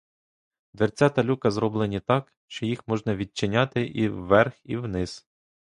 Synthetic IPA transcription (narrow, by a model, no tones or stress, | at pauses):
d̪ʋerʲt͡sʲat̪ɐlʲukɐzɾɔblˠɪnʲit̪ɑk | ʃt͡ʃɔjixmɔʒnɐʋʲid̚t͡ʃːɪnʲat̪ɪʔiwːɛrxiwnɪs